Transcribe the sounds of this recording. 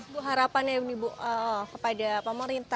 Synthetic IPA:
buɦaɾapanjanibuəkə̥padapəməɾint̪a

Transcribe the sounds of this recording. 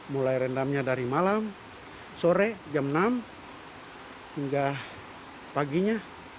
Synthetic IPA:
mulaiɾɛndamɲadaɾimalam | sɔɾɛd͡ʒamnam | hiŋɡa | paɡiɲa

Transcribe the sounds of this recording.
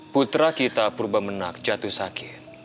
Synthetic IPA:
put̪ɾakit̪apurbamənak̚d͡ʒat̪usakʰɪt̪̚

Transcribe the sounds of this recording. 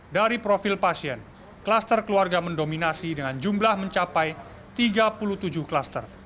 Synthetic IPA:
daɾipɾofilpasiɛn | klast̪ərkəluarɡaməndominasidəŋand͡ʒumblahməɲt͡ʃapaj | t̪iɡapulut̪ud͡ʒuhklast̪ər

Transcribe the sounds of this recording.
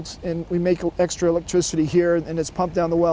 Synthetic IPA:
tɨ̃nwimeɪkɛkstɹ̥əɪlɛk̚tʰɹ̥ɪsɨɾihiɹɨ̃nɨtspʰʌ̃mp̚d̥ãʊ̃nðəwɛ

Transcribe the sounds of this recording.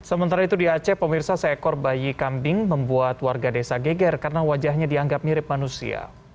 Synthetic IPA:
səmənt̪aɾait̪udiat͡ʃɛpəmirsasəɛkɔrbajikambɪŋməmbuat̪warɡadesaɡeɡɛrkarənawad͡ʒahɲadiaŋɡap̚niɾɪp̚manusḭa̰

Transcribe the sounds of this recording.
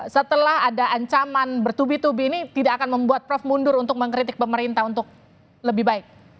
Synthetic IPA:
sət̪əlahadaʔaɲt͡ʃamanbərt̪ubit̪ubiːnit̪idaakanməmbuat̪̚pɾɔfmundʊɾunt̪ʊk̚məŋkɾit̪ɪk̚pəməɾint̪aɦunt̪ʊk̚ | ləbɪhɦbaɪk̚

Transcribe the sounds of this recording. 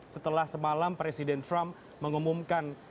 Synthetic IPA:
sət̪əlahsəmalampɾesidɛnt̪ɾamː | əŋumumkan

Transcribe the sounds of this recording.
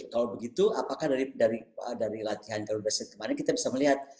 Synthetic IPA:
kalawbəɡit̪uʔapakahdaɾidaɾiə̰daɾilat̪iɦankaunivərst̪̚kəmaɾankit̪abisaməliɦat̪̚

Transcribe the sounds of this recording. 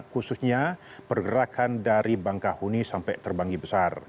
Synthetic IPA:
kususɲa | pərɡəɾakʰandaɾibaŋkahunisampajt̪ərbaŋɡibəsar

